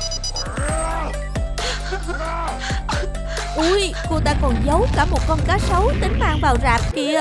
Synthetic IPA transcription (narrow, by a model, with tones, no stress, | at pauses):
ʔu˧˩j | ko˧t̪aː˧˩kɔ˨˩nzə˨˦wkaː˧˩mo˨˩t̚kɔ˧nkaː˨˦sə˨˦wt̪ï˨˦ŋ̟maː˧˨ŋvaː˨˩wzaː˨˩p̚ki˧ə